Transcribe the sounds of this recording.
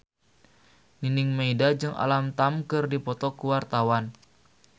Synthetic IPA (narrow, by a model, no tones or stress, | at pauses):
ninɪŋmeidad͡ʒɨŋʔa̰lamt̪amkɨrdipɔt̪ɔkuwart̪awan